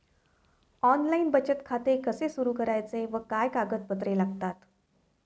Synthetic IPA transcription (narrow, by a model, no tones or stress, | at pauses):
ɔnlainbət͡ɕət̪kʰat̪ekəsesuɾukəɾajt͡seʋəkajkaɡət̪̚pət̪ɾelaɡt̪at̪